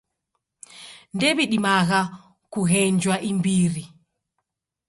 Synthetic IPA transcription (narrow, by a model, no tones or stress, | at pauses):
ndɛβiɗimaɣa | kuɣɛnd͡ʒwaʔimbiɾi